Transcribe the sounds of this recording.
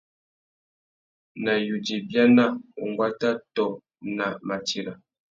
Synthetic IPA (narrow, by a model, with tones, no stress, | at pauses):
na˨ju˨di˨bja˦na˦˨o˨ŋɡwa˦ta˦tɔ˨ | na˨ma˨ti˨la˨